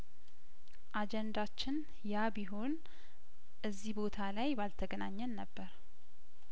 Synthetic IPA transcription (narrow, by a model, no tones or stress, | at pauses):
ʔad͡ʒɛnd̪at͡ʃːɪn | jabiɦo̞n | ʔɨzːibo̞t̪ʰalajbalt̪ʰəɡənaɲːənːəbːəɾ